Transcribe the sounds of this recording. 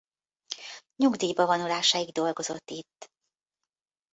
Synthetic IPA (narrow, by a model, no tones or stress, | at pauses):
ɲuɡd̪iːbɒvɒnulaːʃaːiɡd̪o̞lɡo̞zo̞t̪ːit̪ː